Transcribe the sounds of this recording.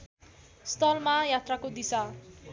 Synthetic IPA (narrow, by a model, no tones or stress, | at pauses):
st̪ʌlmajat̪rakod̪isa